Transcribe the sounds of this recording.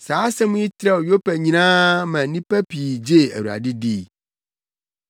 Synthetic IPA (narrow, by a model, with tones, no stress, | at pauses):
saː˨˦sɛ̃˦mũ˦i˦t̪ʰɾɛ˦wo˨jo˦pɛ˨ɲĩ˨nãː˦mã˨nĩ˦pæ˦pʰi˨d͡ʑe˦˨æ̰˨wu˨a̰˨dɪ˦di˦˨